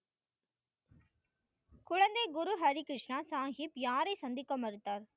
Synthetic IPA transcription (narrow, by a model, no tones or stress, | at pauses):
kʊɻɐnd̪ɐɪɡʊɾuɦɐɾikɾɪʂɳaːsaːŋɡipjaːɾɐɪsɐnd̪ɪkːɐmɐɾɯt̪ːaːɾ